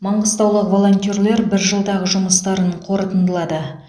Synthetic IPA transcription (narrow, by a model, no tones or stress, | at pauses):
mɑɴʁəst̪ɑwlˠəqvo̞lˠo̞nʲt̪ʲorle̞ɾbɪɾʒəlˠd̪ɑʁəʒʊməst̪ɑɾəɴqʰo̞ɾət̪ənd̪əlˠɑd̪ə